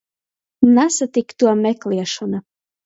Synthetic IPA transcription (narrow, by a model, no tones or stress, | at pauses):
nɑsat̪ikt̪uɔmekliɛʃona